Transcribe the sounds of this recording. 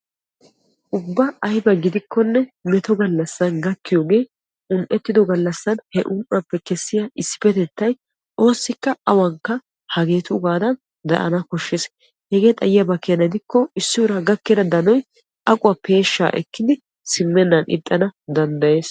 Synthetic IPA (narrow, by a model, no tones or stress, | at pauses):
ʔʊbːɐɐjbɐɡɪd̪ɪkːɔnːɛmɛt̪ɔɡɐlːɐsːɐnɡɐkːɪjɔːɡe̞ː | ʊnʔɛt̪ːɪd̪ɔɡɐlːɐsːɐnhɛʔʊnʔɐpːɛkɛsːɪjaʔɪsːɪ̥pɛt̪ɛt̪ːɐj | ʔo̞ːsːɪkːɐɐwɐŋkːɐ | hɐɡe̞ːt̪ʊʊɡaːd̪ɐn | d̪ɐ̰ʔɐ̰nɐkɔʃːes | hɛɡe̞ːt̪ʼɐjɪjɐbɐkːɪjɐnɐd̪ɪkːɔɪsːɪwʊɾɐɡɐkːɛd̪ɐd̪ɐnɔj | ʔɐkʼʊwɐpe̞ːʃːa̰ːʔɛ̰kːɪd̪ɪ | sɪmːɛnːɐnɪ̰t̪ʼːɐnɐd̪ɐnd̪ɐje̞ːs